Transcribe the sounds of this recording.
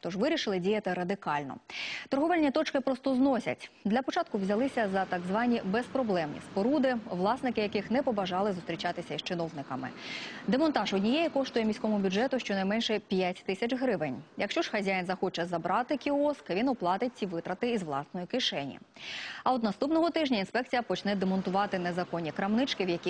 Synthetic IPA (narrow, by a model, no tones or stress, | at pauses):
t̪ɔʒʋɪɾʲiʃɪlˠɪdʲijɐt̪ɪɾɐd̪ɪkɑlʲnɔ̰t̪ɔrɦɔʋɛlʲnʲit̪ɔt͡ʃkɪpɾɔst̪ɔznɔsʲɐ̰tʲd̪lʲɐpɔt͡ʃɑt̪̚kʊwzʲɐlˠɪsʲɐzɐt̪ɑɡzʋɑnʲibɛspɾɔblˠɛmnʲḭsʲpɔɾud̪ɪʋlˠɑsnɪkɪjɐkɪxnɛpɔbɐʒɑlˠɪzʊst̪ɾʲit͡ʃɑt̪ɪsʲɐist͡ʃɪnɔwnɪkɐmɪ̰d̪emɔnt̪ɑʒɔdʲnʲijɛjikɔʂt̪ʊjɛmʲisʲkɔmʊbʲuʐɛt̪ʊʃt͡ʃɔnɐjmɛnʃɛpʲjatʲt̪ɪsʲɐt͡ʃɦɾɪʋɪnʲjɐkʃt͡ʃɔʐ̥xɐzʲajɪnzɐxɔt͡ʃɛzɐbɾɑt̪ɪkʲiɔskʋʲinɔplˠɑt̪ɪt͡sʲiʋɪt̪ɾɐt̪ɪizʋlˠɑ̰snɔjikɪʃɛnʲḭɐɔd̪nɐst̪upnɔɦɔt̪ɪʒnʲɐinspɛk̚t͡sʲijɐpɔt͡ʃnɛd̪emɔnt̪ʊʋɑt̪ɪnezɐkɔnʲːikɾɐmnɪt͡ʃkɪwjɐkʲi